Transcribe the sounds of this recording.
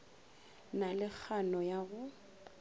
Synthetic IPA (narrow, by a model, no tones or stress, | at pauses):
nalɪk͡xʰanɔjaɣʊ